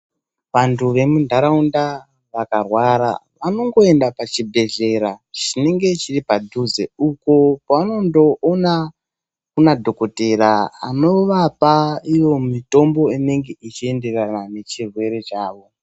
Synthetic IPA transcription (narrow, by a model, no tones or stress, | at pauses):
ʋantʰuʋe̞mundʱaɾaunda | ʋakarwaɾa̰ʋano̞ŋɡo̞e̞ndapat͡ʃibʱe̞ɮe̞ɾat͡ʃine̞ŋɡe̞t͡ʃiripadʱuzḛuko̞paano̞ndo̞ʔona | kunadʱo̞ko̞te̞ɾaa̰no̞ʋapaijo̞mito̞mbo̞ine̞ŋɡe̞it͡ʃie̞nde̞ranane̞t͡ʃirwe̞ɾe̞t͡ʃaːʋo̞